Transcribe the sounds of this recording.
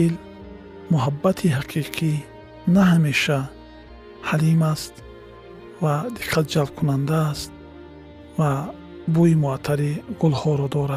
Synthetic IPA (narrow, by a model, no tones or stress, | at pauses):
il | muɦabːat̪ʰiɦaqʰiqʰi | nahameʃa | halimast̪ | vad̪iqʰːat̪̚d͡ʒalb̚kʰunand̪aːst̪̚ | va | buimuat̪ʰaɾiɡulhɔɾɔd̪ɔɾad̪